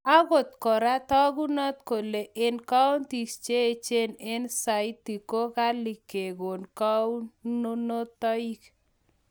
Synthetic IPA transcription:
a˦ɣo˨t̪kɔ˨ɾa˦tɔ˦ɣu˦nɔ˦t̪ko˨le˨ʔe˦nka˦o˦nti˨st͡ʃe˦˨t͡ʃe˦ne˦nsa˨i˦t̪ːi˨ko˦ka˦li˨ke˨ɣo˨nka˦u˦o˦no˦t̪ɔ˦i˦k

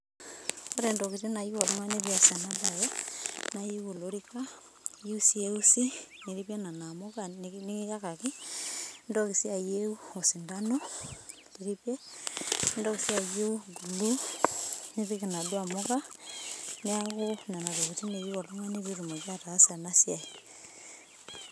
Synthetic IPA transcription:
o˦ɾe˨ndo˨ku˨ti˦na˨ji˦wo˨lo˦ŋa˦neβia˨sa˨naba˨jɔ˦naji˦wo˨lo˦ɾika˦ | je˦u˦si˦e˦u˦si˦ni˨ɾipe˦na˨na˨moka˦ni˦ŋi˦ja˦ka˨ki˦ | ndo˦ki˨si˦a˨jeu˦o˨si˨nda˦no˦ | di˨ɾi˦pje˦ | ndɔ˦ki˨si˦a˨je˦u˦ɡu˨lu˦ | ni˦βi˦ki˨na˨dwa˨mo˦ka˦ | ni˦a˦ko˦na˨na˨to˨ku˨t͡ʃi˦ne˨ji˦kɔ˨lu˦ŋa˦ni˦βi˦ɾu˨ma˨d͡ʒa˦taː˨˦sa˨na˦si˦a˨i˨

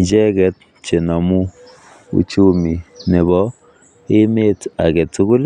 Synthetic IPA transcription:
t͡ʃɛ˦kɛ˨˦t̚ | t͡ʃe˨na˨mu˦ | ṵ˦t͡ʃu˦mi˨ne˨bɔ˨˦ | e˦me˦ta˨kɛ˨tu˦kʊ˦l

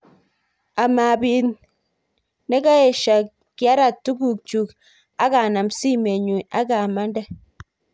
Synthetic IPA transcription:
a˨ma˨bi˨n | ne˦ɡa˦e˨ʃa˨ | ki˨a˦ɾa˨tːu˦ɡu˨k̚t͡ʃu˨k | a˦ɡa˨na˨msi˦me˨ɲu˨a˦ɡa˨ma˦nda˦

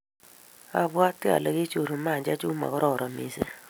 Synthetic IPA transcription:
a˦bwa˦tɪ˦a̰˨le˨ɡɪ˦t͡ʃo˨ɾo˨ma˦˨d͡ʒa˦d͡ʒu˦ma̰˨kɔ˦ɾɔ˦˨ɾɔ˨mḭ˨sḛ˦

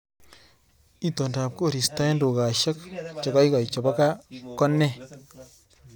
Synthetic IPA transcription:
i˦to˨nda˨p̚ko˦˨ɾi˨sta˦e˦ndo˨ka˨ʃa˦kt͡ʃɔ˨ka˦i˦ka˨i˨t͡ʃɔ˨ba˦ka˦kɔ˦nːɛ˦˨

